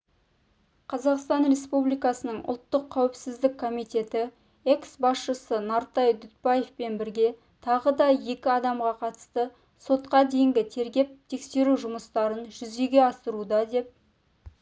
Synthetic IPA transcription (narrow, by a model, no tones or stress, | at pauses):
qʰɑzɑqst̪ɑnre̞spublijkɑsənəɴʔʊ̰lˠt̪ːəqʰːæwɪpsɪzd̪ɪkʰːo̞mijt̪ʲe̞t̪ɪ | e̞ksbɑsʃəsənɑɾt̪ɑjd̪ʊt̪̚pɑje̞fpe̞nbɪɾɡʲe̞ | t̪ʰɑʁəd̪ɑje̞kʲɪɑd̪ɑmʁɑqʰɑt̪ə̥st̪ə | so̞t̪̚qɑd̪e̞jɪŋɡʲɪt̪ʰe̞ɾɡʲe̞p̚t̪ʰe̞kse̞ɾuʒʊməst̪ɑɾənʒʏze̞ɡʲe̞ɑsəɾud̪ɑd̪e̞p̚